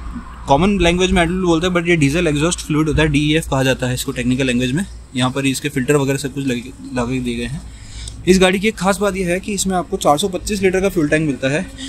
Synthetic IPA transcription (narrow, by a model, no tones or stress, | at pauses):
kɔːmənlɛ̃ːŋɡʋeːd͡ʒm̃ɛːʈllboːlt̪aɦɛbɐʈjeɖiːzəlekzɔːsʈfluːɪʈɦoːt̪̬aɦɛɖiːiɛfkɐɦad͡ʒaːt̪aɦɛɪskoʈeːknɪk̬əlːɛ̃ːŋɡʋeːd͡ʒmẽ | jɐɦãpɐɾɦiɪskefɪlʈəɾʋɐɡɛːɾesɐb̚kʊt͡ʃʰlɐɡed̪ieɡɐeɦɛ̃ː | ɪs̬ɡaːɽik̬ekxʰaːsbaːt̪̬jeɦɛkiɪsmẽaːp̚kot͡ʃaːɾsɔpɐt̪ːiːs̬liːʈəɾkafjuːlʈɛ̃ːŋkmɪlt̪aɦɛː